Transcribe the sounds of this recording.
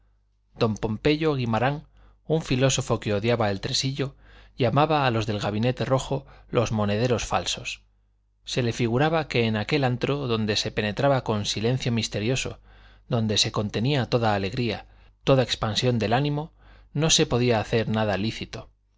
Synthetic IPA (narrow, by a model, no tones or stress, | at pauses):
d̪̥o̞mpo̞mpe̞ʎo̞ɣimaɾaŋ | uɱfilo̞so̞fo̞ke̞o̞ðjaβae̞lt̪ɾesiʎo | ʎamaβaːlo̞zðe̞lɣaβine̞t̪e̞ro̞xolo̞zmo̞ne̞ðe̞ɾo̞sfa̰lso̞sː | e̞le̞fiɣ̞uɾaβake̞ːnake̞lant̪ɾoðo̞nd̪e̞se̞pe̞ne̞t̪ɾaβako̞nsile̞n̟θjo̞mist̪e̞ɾjo̞so̞̰ | ðo̞nd̪e̞se̞ko̞nt̪e̞niat̪o̞ðaːle̞ɣɾia | t̪o̞ðae̞kspansjo̞nd̪e̞lanĩmo̞no̞se̞po̞ðiaːθe̞ɾnaðaliθit̪o